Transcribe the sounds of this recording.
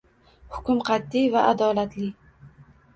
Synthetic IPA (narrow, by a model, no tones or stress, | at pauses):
hʊ̥kʲʊmqʰɑt̪ːivaʔad̪ɒlat̪lɪ